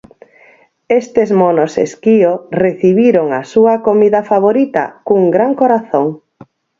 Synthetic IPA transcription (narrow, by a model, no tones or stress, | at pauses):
est̪ezmonosḛskioreθiβiɾoŋasuɐkomiðɐfaβoɾit̪ɐ̰kuŋɡɾaŋkoɾaθoŋ